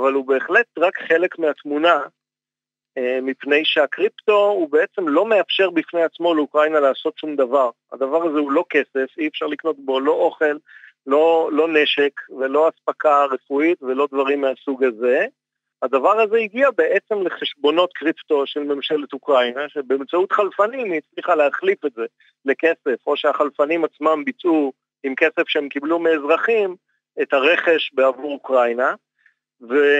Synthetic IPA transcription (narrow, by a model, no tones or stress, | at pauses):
avalube̞ːχle̞t̪ʁakχe̞le̞kmeat̪muna | emipne̞jʃe̞akʁipt̪o̞ubeet͡se̞mlo̞me̞afʃe̞ʁbifne̞jat͡smo̞leukʁainalaaːso̞tʃumd̪avaʁ | a̰d̪avaʁazeulo̞ke̞se̞fiefʃaʁlikno̞t̪̚bo̞lo̞ʔo̞χe̞lːo̞lo̞ne̞ʃe̞kve̞lo̞aspakaʁe̞fuit̪ve̞lo̞d̪vaʁimːeasuɡaze̞ | ad̪avaʁaze̞iɡiabeʔet͡semle̞χe̞ʃbo̞no̞t̪kʁipto̞ʃe̞lme̞mʃelet̪ukʁajnaʃebeemt͡saut̪χalfanimit͡sliχaleaχlifetze̞ | le̞ke̞se̞fo̞ʃeaχalfanimat͡smambit͡su | imke̞sefʃeemkiblumeːzʁaχim | et̪aʁe̞χe̞ʃbeavuʁukʁajna | ve